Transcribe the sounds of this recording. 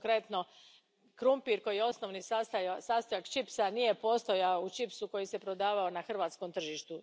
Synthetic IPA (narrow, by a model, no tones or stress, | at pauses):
kɾe̞t̪no | kɾumpiɾko̞jijeo̞snoʋnisast̪ajasaːst̪ajakt͡ʃipsanije̞po̞st̪o̞jaout͡ʃipsuko̞jise̞pɾod̪aːʋaonaxr̩ʋaːt̪sko̞mt̪r̩ʒiʃt̪u